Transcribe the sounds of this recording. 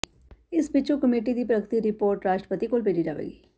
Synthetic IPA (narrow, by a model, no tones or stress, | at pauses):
ɪsbɪt͡ʃokəmeːʈid̪iːpɾəkt̪iɾɪpoːɾʈɾaːʃʈɾəpət̪ikoːlpeːlid͡ʒaːʋḛːɡiː